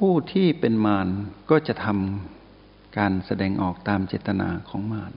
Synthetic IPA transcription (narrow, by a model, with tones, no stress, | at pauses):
pʰuː˥˩t̪ʰiː˥˩pe˧nmaː˧nkɔː˥˩t͡ɕa˨˩ʔt̪ʰa˧m | kaː˧nsa˧dɛː˧ŋʔɔ̰ː˨˩k̚t̪aː˧mt͡ɕeː˨˩t̪ːa˧na̰ː˧kʰɔː˩˦ŋmaː˧n